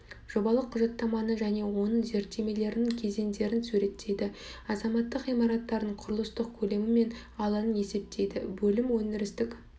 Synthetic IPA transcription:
ʒ̥o̞bɑlˠəqʰːʊʒɑt̪ːɑmɑnəʒæne̞wo̞nəɴze̞ɾt̪ːe̞me̞le̞ɾɪnɪŋkʲʰe̞ze̞nd̪e̞ɾɪnsuɾe̞t̪ʰːe̞jd̪ɪɑzɑmɑt̪ːəqijmɑɾɑt̪ːɑɾd̪əɴqʰʊɾəlˠəst̪əq̚kʲʰɵle̞mɪme̞n | ɑlˠɑnəne̞se̞p̚t̪ʰe̞jd̪ɪ̰bɵlɪmwɵnɪɾɪst̪ɪkʲ

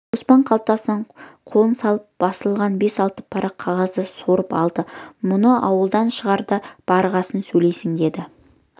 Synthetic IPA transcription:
ospɑɴqʰɑl̚ˠt̪ɑsənəɴqʰo̞lˠənsɑlˠəp̚b̥ɑsəlˠʁɑnbe̞sɑlˠt̪əpʰɑɾʔɑqʰːɑʁɑzəsoɾəpɑlˠd̪əmʊnəʔɑwəlˠd̪ɑnʃəʁɑɾd̪əb̥ɑɾʁɑsənsɵjle̞jsɪŋd̪e̞d̪ɪ

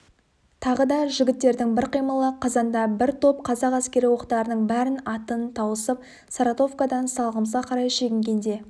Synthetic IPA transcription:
t̪ʰɑʁəd̪ɑʒɪɡʲɪt̪ːe̞ɾd̪ɪŋbɪɾqijməlˠəqʰɑzɑnd̪ɑbɪɾt̪ʰo̞p̚qʰɑzɑqæskʲe̞ɾɪwo̞qt̪ɑɾənəɴbæɾɪnɑt̪ənt̪ʰɑwəsəp̚ | saɾat̪o̞vkad̪ɑnsɑlˠʁəmsɑqʰɑɾɑjʃe̞ɡʲɪŋɡʲe̞nd̪e̞

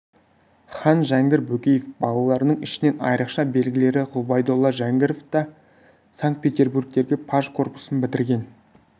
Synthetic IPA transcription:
χɑnʒæŋɡʲɪɾbɵkʲejefbɑlˠɑlˠɑɾənəɴɪʃɪne̞nɑ̰jɾəqʃɑbe̞lɡʲɪle̞ɾɪʁubɑjd̪olˠːɑʒæŋɡʲɪɾoft̪ɑ | saŋkt̪̚pʲe̞t̪ʲe̞rburɡ̚t̪e̞ɾɡʲe̞pʰaʒkʰo̞rpu̥sənbɪt̪ɪɾɡʲe̞n

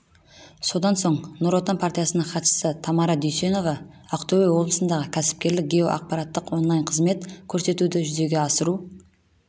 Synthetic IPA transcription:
so̞d̪ɑnso̞ɴnuɾot̪anpʰart̪ʲijasənəɴχɑt̪ʃə̥sət̪ʰɑmɑɾɑd̪ʏjse̞no̞vɑ | ɑqt̪owejwo̞blˠəsənd̪ɑʁəkʲʰæsɪ̥p̚kʲe̞ɾlɪk̚ɡʲeoʔɑ̰q̚pɑɾɑt̪ːəqwo̞nlˠɑjɴqʰəzme̞t̪kʲʰɵɾse̞t̪ud̪ɪʒʏze̞ɡʲe̞ɑsəɾu

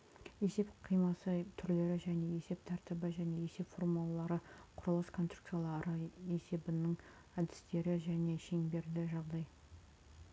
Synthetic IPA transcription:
e̞se̞pqʰijmɑsət̪ʰʏɾle̞ɾɪʒæne̞e̞se̞p̚t̪ʰæɾt̪ɪbɪʒæne̞e̞se̞pfo̞rmulˠɑlˠɑɾəqʰʊɾəlˠəskʰont̪rukt̪sijalˠɑɾəe̞se̞bɪnɪŋ | æd̪ɪst̪e̞ɾɪʒæne̞ʃe̞ŋbe̞ɾd̪ɪʒɑʁd̪ɑj

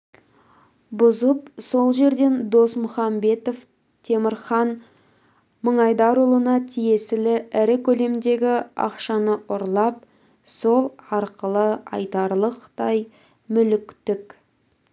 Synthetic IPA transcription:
bʊzəpso̞lˠʒe̞ɾd̪e̞nd̪o̞smʊχɑmbe̞t̪of | t̪ʰe̞mɪɾχɑn | məɴɑjd̪ɑɾulˠənɑt̪ʰije̞sɪlɪæɾɪkʲʰɵle̞md̪e̞ɡʲɪɑ̰qʃɑnəʔʊɾlˠɑp̚ | so̞lˠɑɾqəlˠəɑ̰jt̪ɑɾlˠəqt̪ɑj | mʏlɪkt̪ɪk

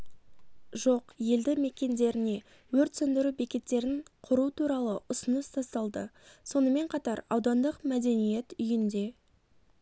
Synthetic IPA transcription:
ʒo̞qje̞ld̪ɪme̞kʲe̞nd̪e̞ɾɪne̞ | wɵɾt̪sɵnd̪ɪɾube̞kʲe̞t̪ːe̞ɾɪɴqʰʊɾuət̪ʰuɾɑlˠəʔʊsənəst̪ʰɑst̪ɑlˠd̪ə̰so̞nəme̞ɴqʰɑt̪ɑɾɑ̰wd̪ɑnd̪əqmæd̪e̞nije̞t̪ʏjɪnd̪e̞

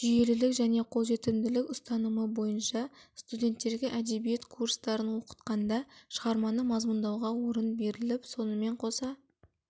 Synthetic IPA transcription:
ʒije̞lɪlɪkʒæne̞qʰo̞ʒe̞t̪ɪmd̪ɪlɪkʲʊst̪ɑnəməbo̞jənʃɑst̪udʲe̞nt̪ːe̞ɾɡʲeʔæd̪e̞bije̞t̪kʰurst̪ɑɾənwo̞qə̥t̪qɑnd̪ɑʃəʁɑɾmɑnəmɑzmʊnd̪ɑwʁɑwoɾənbe̞ɾɪlɪpso̞nəme̞ɴqʰo̞sɑ

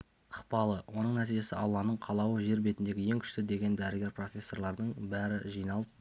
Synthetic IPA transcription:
əqpɑlˠəwʔo̞nəɴnæt̪ijʒe̞sɪʔɑlˠːɑnəɴqʰɑlˠɑwəʒe̞ɾbet̪ɪnd̪e̞ɡʲɪje̞ŋkʲʰʏ̥ʃt̪ɪd̪e̞ɡʲe̞nd̪æɾɪɡʲe̞ɾpro̞fʲe̞sːo̞rlˠɑɾd̪əɴbæɾɪʒijnɑlˠəp̚

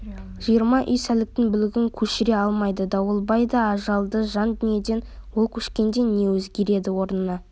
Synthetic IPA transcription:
ʒ̥ijəɾmɑʔʏ̰jsælɪk̚t̪ɪŋbʏlɪɡʲɪŋkʲʰɵʃɪɾe̞ɑlˠmɑjd̪əd̪ɑwəlˠbɑjd̪ɑːʒɑlˠd̪əʒɑnd̪ɪnje̞d̪e̞nwolˠkʲʰɵʃkʲe̞nd̪e̞nːe̞wɵzɡʲe̞ɾe̞d̪ɪwo̞ɾnənɑ

